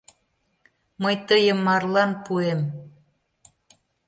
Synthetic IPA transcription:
məjt̪əjəmːɑrlɑnpuem

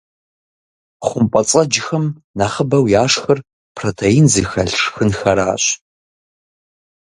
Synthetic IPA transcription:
χʷʊmpʼɐt͡sʼɐd͡ʒɪxɐmnaːχəbɐwjaːʂxɐr | pʰrotʰeinzɨxɐɮʈ͡ʂxɨnxɐɾa̰ːɕ

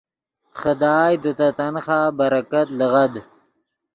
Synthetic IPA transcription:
χəd̪ɑːjd̪ət̪at̪anχaːbaɾakat̪ləɣad̪

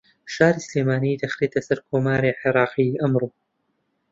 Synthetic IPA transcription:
ʃaːɾiːsleːmaːniːd̪ɐxɾeːt̪ʰɐsɐɾkʰoːmaːɾeːʕɪɾˤɑːqiʔɐmɾoː

